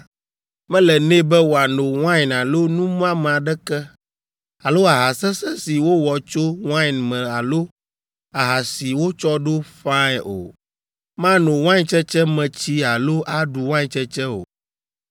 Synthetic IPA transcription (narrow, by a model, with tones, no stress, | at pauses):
mɛ̃˦lɛ˨nɛ̃˦bɛ˦wo˨a˨no˨w̃ã˦jna˨lo˦nũ˦m˦ã˦mɛ˨a˨ɖɛ˦kɛ˦ | a˨lo˦a˨ɦa˨sɛ˦sɛ˦si˨wo˦wɔ˨t͡ʃo˦w̃ã˦˨nmɛ̃˨a˨lo˦ | a˨ɦa˨si˨wo˦t͡ʃɔ˦ɖo˦fã˦ɛ˨o̰˨ | mã˦no˨w̃ã˦ɲ˦t͡ʃɛ˦t͡ʃɛ˦mɛ̃˨t͡ɕi˦a˨lo˦ʔa˦ɖu˨w̃ã˦˨t͡ʃɛ˦t͡ʃɛ˦o̰˨